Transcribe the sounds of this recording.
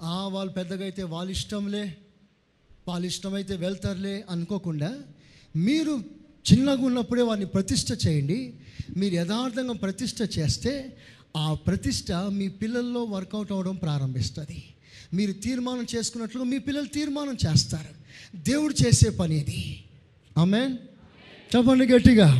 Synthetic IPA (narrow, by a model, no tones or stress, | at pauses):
aːʋaːɭːupɛd̪ːɐɡɐjt̪e̞ːʋaːlːiʂʈɐmle̞ː | ʋaːlːiʂʈɐmɐjt̪̬e̞ːʋɛɭt̪aːɾle̞ːʔɐnuko̞ːkuɳɖaː | miːɾu | t͡ʃinːɐɡunːɐpːuɽe̞ːʋaːɾnipɾɐt̪iʂʈʰɐt͡ʃeːjɐɳɖimiːɾujɛd̪aːɾt̪ʰɐŋɡaːpɾɐt̪iʂʈʰɐt͡ʃe̞ːst̪e̞ː | aːpɾɐt̪iʂʈʰɐmiːpilːɐlːo̞ːʋɐɾkɐwʈɐʋɐɽɐmpɾaːɾɐmbʱist̪ɐd̪i | miːɾut̪iːɾmaːnɐmt͡ʃe̞ːsu̥kunːɐʈluɡaːmiːpilːɐlut̪iːɾmaːnɐmt͡ʃeːst̪aːɾud̪e̞ːwuɽut͡ʃe̞ːse̞ːpɐniid̪i | aːmeːn | t͡ʃɛpːɐɳɖiɡeʈːiɡaː